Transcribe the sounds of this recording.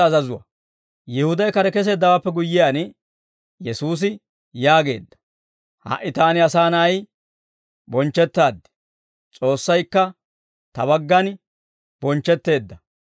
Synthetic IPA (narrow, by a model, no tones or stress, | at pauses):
ɐzɐzʊwɐ̰ | jɪhʊd̪ɐjkɐɾɛkɛs̬e̞ːd̪ːɐwaːpːɛɡʊjːɪjaːn | jɛsuːs̬ɪ | jaːɡe̞̰ːd̪ːɐ̥ | hɐ̰ʔɪt̪aːnɪɐsaːnɐj | bɔnt͡ʃːɛt̪ːaːd̪ːɛ̥ | t͡sʼo̞ːsːɐjkːɐ | t̪ɐbɐɡːɐn | b̥ɔnt͡ʃːɛt̪ːe̞ːd̪ːɐ